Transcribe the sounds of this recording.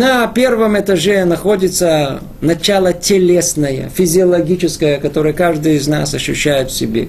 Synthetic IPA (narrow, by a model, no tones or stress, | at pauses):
nɐpʲe̞rvəmɛt̪ɐʐenɐxo̞dʲɪt̪sə | nɐt͡ɕalˠətʲɪlʲesnəjə̰fʲɪzʲɪɐlˠɐɡʲit͡ɕɪskəjəkɐt̪o̞ɾəjəkaʐd̪ɨɪzna̰sɐɕːʉɕːæjɪt̪fsʲɪbʲḛ